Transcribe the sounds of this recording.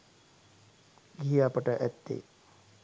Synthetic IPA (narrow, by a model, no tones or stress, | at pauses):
ɡiɦiapəʈəʔæt̪ːḛ